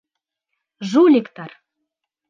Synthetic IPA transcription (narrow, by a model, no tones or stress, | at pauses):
ʒulʲekt̪ɑr